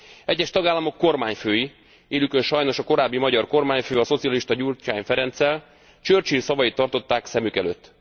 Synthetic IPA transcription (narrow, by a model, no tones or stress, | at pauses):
ɛɟːɛʃt̪ɒɡaːlːɒmo̞kːo̞rmaːɲføːji | eːlykø̞nʃɒjno̞ʃɒko̞ɾaːbːimɒɟɒrko̞rmaːɲføːɒso̞t̪siɒliʃt̪ɒɟurt͡ʃaːjnfɛɾɛnt̪sɛl | t͡ʃørt͡ʃinsɒvɒjit̪ːɒrt̪o̞t̪ːaːksɛmykɛløt̪ː